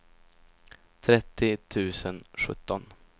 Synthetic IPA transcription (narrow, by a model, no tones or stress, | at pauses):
t̪ʰɾɛt̪ʰːɪt̪ʰʉ̟ːsənɧɵ̰t̪ːɔn